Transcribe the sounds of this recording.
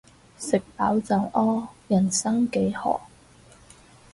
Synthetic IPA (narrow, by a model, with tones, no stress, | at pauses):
sɪ˨k̚paː˨˥wt͡sɐ˨˧wʔɔː˥jɐ˨˩nsɐ˥ŋke˨˥jhɔ̰ː˨˩